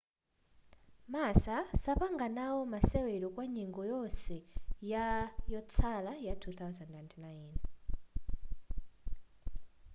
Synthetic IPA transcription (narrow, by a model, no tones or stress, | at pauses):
masasapaŋɡanawɔmasɛwɛɺɔkwaɲiŋɡɔjɔsɛjajɔt͡sʰalajatʰuθawzandnantʰnajn